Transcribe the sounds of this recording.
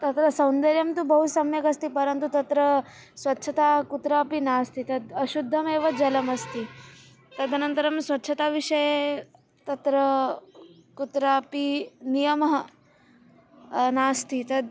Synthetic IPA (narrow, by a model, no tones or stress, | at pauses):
t̪ɐt̪ɾɐsɐ̃wnd̪ɐɾjɐmt̪ubɐɦusɐmjɐkɐst̪ipɐɾɐnt̪ut̪ɐt̪ɾɐ | sʋɐtːʃʰɐt̪aːkut̪ɾaːpinaːst̪ʰit̪ɐd̪ɐʃud̪ʱːɐmeːʋɐd͡ʒɐlɐmɐst̪i | t̪ɐd̪ʱɐnɐnt̪ɐɾɐmsʋɐtːʃʰɐt̪aːʋiʂɐje | t̪ɐt̪ɾɐ | kut̪ɾaːpinijɐmɐɦɐ | naːst̪ʰit̪ɐd̪̚